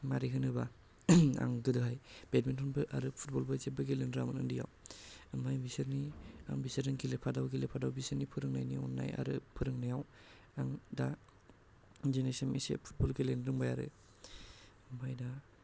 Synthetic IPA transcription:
maɾiɦɯnɯba | a̰ŋɡɯdɯɦajb̥etmentʰɔnbɯʔaɾɯpʰu̥t̚bɔlbazebaɡelendɾamɯnɯ̰ndija̰wɯmmajbisɯɾnia̰ŋbisɯɾɯŋɡilepʰadawɡilepʰadawbisɯɾnipʰɯɾɯŋnajniɔ̰nːa̰ja̰ɾɯpʰɯɾɯŋnajaw | aŋda | zenesemḭsḛpʰu̥t̚bɔlɡelenɾɯŋbajaɾɯ̰ | ɯmbajda

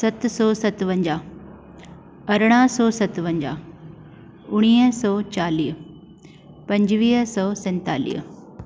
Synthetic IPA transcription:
sɐt̪sɔːsɐt̪ʋə̃ɲd͡ʑaː | ɐɾɽ̃aːsɔːsɐt̪ʋɐ̃ɲd͡ʑa̰ː | ʊɽ̃iːsɔːt͡ɕaːliːɦ | pɐ̃ɲd͡ʑʋiːɦsɔːsɛ̃ːnt̪a̰ːlḭːɦ

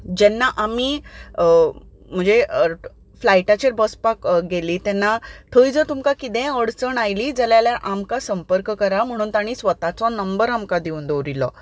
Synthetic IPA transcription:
d͡ʑɛnːaʔamiː | m̤əɳd͡ze | flajʈat͡ɕeɾbəspakɡeliːt̪ɛnːat̪ʰəjd͡zət̪umkakit̪ɛ̃əɽt͡səɳajliːd͡zəljaljaʔamkasəmpəɾkkəɾam̤əɽ̃uːnt̪aɽ̃iːsʋət̪at͡sɔnəmbəɾamkad̪iuːnd̪owɾilɔ̰

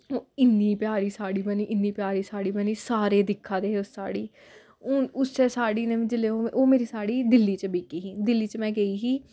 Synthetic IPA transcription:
oːɪnːiːpɪjaːɾiːsaːɽiːbəniːʔɪnːiːpɪjaːɾiːsaːɽiːbəniːsaːɾeːd̪ɪkʰːãːd̪eːɦːʊsːa̰ːɽiː | ʊʊst͡ʃɛːsaːɽiːnẽːʋɪ̃d͡ʒɪleːoːoːmeːɾiːsaːɽiːd̪ɪlːiːt͡ʃəbeːkiːɦiːd̪ɪlːiːt͡ʃmɛ̃ːɡəiːɦiː

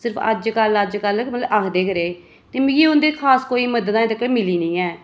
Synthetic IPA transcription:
sɪɾəpʰə̰d͡ʒkələd͡ʒkəlmələakʰd̪eːkəɾeː | t̪eːmɡiːʊnd̪eːkʰaːskoːiːməd̪əd̪ãːɪd̪əkːeːmɪliːnəĩːɛː

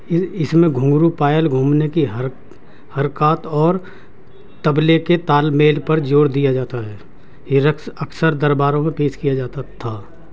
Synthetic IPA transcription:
ɪɪsmẽɡʱũːŋɡɾupaːjəlɡʱũːmnekiɦ | həɾkaːt̪ɔːɾ | t̪ɐbleket̪aːlmeːlpɐɾd͡ʒoːɽd̪ijad͡ʒaːt̪aɦɛː | eɾəksɐksəɾd̪əɾbaːɾõmẽpeːʃkijad͡ʒaːt̪at̪ʰaː

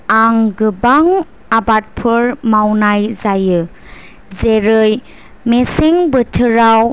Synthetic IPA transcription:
aŋɡɯbaŋ | abat̚pʰɯɾmawnajzajɯ | zeɾɯj | meseŋbɯtʰɯɾaw

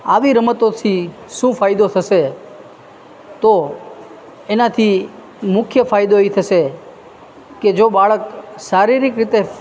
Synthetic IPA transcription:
aʋiɾəmət̪ot̪ʰi | ʃũfajd̪ot̪ʰəʃe | t̪o | enat̪ʰi | mʊkʰjəfajd̪oeit̪ʰəʃe | ked͡ʒobaɭəksaɾiɾikɾit̪e

